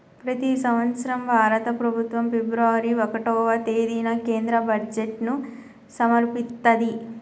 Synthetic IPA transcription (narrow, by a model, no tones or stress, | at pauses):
pɾɐt̪isɐmʋɐt̪sɐɾɐmʋʱaːɾɐt̪ɐpɾɐbʱut̪ʋɐmpebɾaːʋɐɾiɔkɐʈɔːʋɐt̪eːd̪iːnɐke̞ːnd̪ɾɐbɐd͡ʒeʈnu | sɐmɐɾpist̪ːɐd̪i